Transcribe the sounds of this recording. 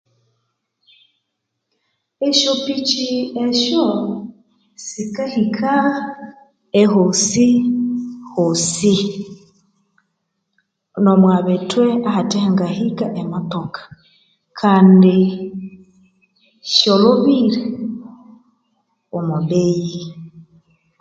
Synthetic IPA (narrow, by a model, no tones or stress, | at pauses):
eʃopit͡ʃieʃo | sikahikʰa | ehosi | hosi | nomwaːβetweahatehaŋɡahikaʔematokḁ | kʰaːndi | ʃoloβiɾe | omudeji